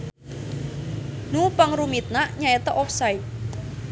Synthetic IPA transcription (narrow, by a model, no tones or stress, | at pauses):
nupaŋrumit̪̚naʔɲaet̪ɔʔɔfsait̪̚